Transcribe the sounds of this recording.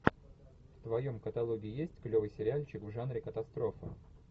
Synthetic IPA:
ft̪vɐjo̞mkət̪ɐlˠoɡʲɪːɪjesʲtʲklʲovɨjsʲɪɾʲɪalʲt͡ɕɪkvʐanɾʲɪkət̪ɐst̪ɾo̞fɨ̰

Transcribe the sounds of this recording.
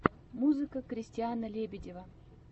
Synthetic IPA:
muzɨkəkɾʲɪsʲtʲɪanəlʲebʲɪdʲɪvə

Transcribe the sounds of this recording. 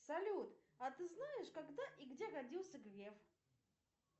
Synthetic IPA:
sɐlʲut̪ | ɐt̪ɨznajɪʂkaɡd̪aʔiɡdʲeɡɐdʲilˠsʲəɡɾʲef

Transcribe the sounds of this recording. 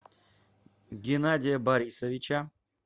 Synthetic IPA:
ɡʲɪnadʲijabaɾʲisovʲit͡ʃʰa

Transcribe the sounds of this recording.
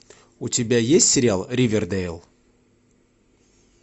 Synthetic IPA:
ut̪ʲɪbʲæjesʲtʲsʲɪɾʲɪalˠɾʲivʲɪrd̪ɛjlˠ

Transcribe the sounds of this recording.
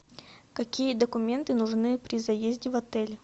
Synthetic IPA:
kɐkʲijəd̪əkʊmʲe̞nt̪ɨnʊʐnɨpɾʲɪzɐjezʲdʲɪvɐt̪ɛlʲ

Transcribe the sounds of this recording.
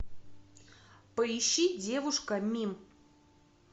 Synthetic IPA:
pəiɕːidʲe̞vʊʂkəmʲim

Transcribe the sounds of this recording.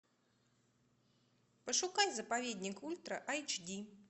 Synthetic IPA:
pəʂʊkajʲzɐpavʲed̪ʲnʲikulʲt̪ɾɐʔajt͡ʃdʲi

